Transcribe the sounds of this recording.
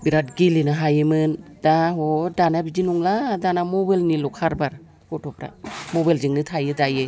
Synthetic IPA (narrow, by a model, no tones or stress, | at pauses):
biɾat̚ɡilinaɦajɯmɯndaɦodanabid͡ʒinuŋladanamɔbalnilɔkʰaɾbaɾ | kɔtʰɔpɾa̰mɔbajld͡ʒiŋnɯtʰajɯdajɯ